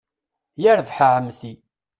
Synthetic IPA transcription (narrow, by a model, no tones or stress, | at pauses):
jəɾðħəʕəmθi